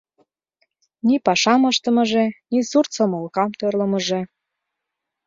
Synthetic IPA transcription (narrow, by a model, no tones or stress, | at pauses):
nipɑʃɑməʃt̪ə̆mə̆ʒenisurt͡sə̆molkɑmt̪ørləmə̆ʒe